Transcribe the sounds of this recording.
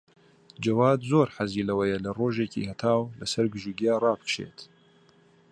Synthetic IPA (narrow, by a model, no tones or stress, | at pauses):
d͡ʒɐwaːd̪zoːɾħaziːlɐwɐjɐlɐroːʒeːcḭhɐt̪ʰaːwlɐsɐɾɡɨʒuɡijaːrɑːbɨkʃḛːt̪